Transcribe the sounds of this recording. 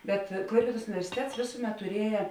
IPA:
bʲɛt ˈklˠɐɪpʲeːdoːs ʊnʲɪʋʲɛrʲsʲɪˈtʲɛts ˈʋʲeːsʊˌmʲɛt tʊˈrʲiɛjɛ

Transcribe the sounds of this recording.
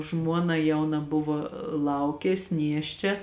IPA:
ˈʒmuɔnɐ ˈjɛʊnɐ ˈbʊʋoː ˈlˠɐʊkʲeːs ˈnʲiɛʃʲt͡ʃʲɛ

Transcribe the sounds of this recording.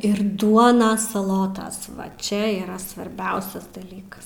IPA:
ɪr ˈduɔnɐs sɐˈlˠoːtɐs ʋɐ ˈt͡ʃʲɛ iːˈrɐ sʋɐrʲˈbʲɛʊsʲɛs dɐˈlʲiːkɐs

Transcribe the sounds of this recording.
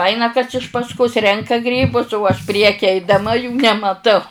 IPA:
ˈɐɪnɐ kɐs ɪʃ pɐsˈkʊs ˈrʲɛŋkɐ ˈɡrʲiːbʊs oː ɐʃ ˈpʲrʲiɛkʲɪ ɛɪdɐˈmɐ juː nʲɛmɐˈtɐʊ

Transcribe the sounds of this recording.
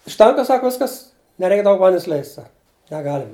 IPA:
ʊʃʲˈtʲɛŋkɐ ˈsɑːkoː ˈʋʲɪskɐs nʲɛˈrʲɛɪk ˈdɐʊk ˈʋɐnʲdʲɛns ˈlʲɛɪsʲtʲ ˈsɐk nʲɛˈɡɑːlʲɪm

